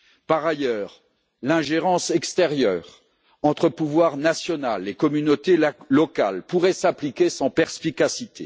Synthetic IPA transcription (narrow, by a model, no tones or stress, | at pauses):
paʁajœːʁ | lɛ̃ʒeʁɑ̃sɛkst̪ɛʁjœːʁ | ɑ̃t̪χəpuvwaʁnasjɔnalːekɔmynot̪eːɔka̰lpuʁɛsaplikʲesɑ̃pɛʁspikasit̪ʰe